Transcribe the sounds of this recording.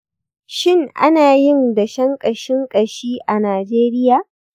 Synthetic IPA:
ʃɪ˦˨ŋʔa̰˦naː˨jɪ˦nda˨ʃɐ˦ŋkʼɐ˨ʃɪ˦ŋkʼɐ˨ʃiː˦ʔa˨naː˨d͡ʒeː˦ɾɪ˦jaː˨

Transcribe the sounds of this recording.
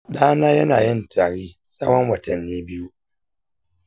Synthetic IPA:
ɗaː˦naː˦jɐ˦naː˨jɪ˦ntʰaː˨ɽiː˦sʼɐ̰˦wɐ˦ŋwɐ˨tɐ˨nːiː˦bɪ˦ju˦

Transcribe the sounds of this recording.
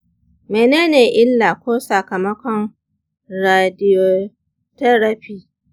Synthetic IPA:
meː˨neː˦neː˨ʔɪ˦lːaː˨kʷoː˦sɐ˨kɐ˨mɐ˦kʷɔ˨n | ɾaː˨dɪ˦jo˨ | tɐ˦ɽɐ˦ɸiː˦

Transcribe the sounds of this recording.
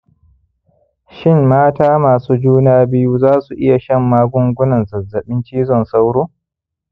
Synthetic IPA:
ʃɪ˦˨mːaː˦taː˦maː˨suː˦d͡ʒuː˦naː˦bɪ˦ju˦zaː˦su˨ʔɪ˦ja˨ʃɐ˦˨mːaː˦ɡʷʊ˦ŋɡʷʊ˦nɐ˨nzɐ˨zːɐ˨ɓɪ˦nt͡ʃiː˦zɔ˨nsa˦wɽoː˦

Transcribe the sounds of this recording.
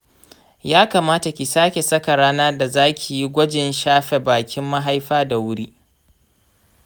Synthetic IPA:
jaː˦kaː˨maː˦ta˨kʲi˨saː˦kʲe˨sɐ˦ka˨ɽaː˦naː˦da˨zaː˦kʲʰi˨ji˦ɡʷɐ˦d͡ʒɪ˨nʃaː˦ɸe˨baː˨kʲɪ˦mːa˦ɦa˦jɸaː˦da˨wʊ˦ɽiː˦ʔ

